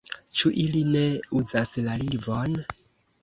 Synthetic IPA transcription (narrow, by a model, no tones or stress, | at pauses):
t͡ʃuʔiline̞uzaslalivon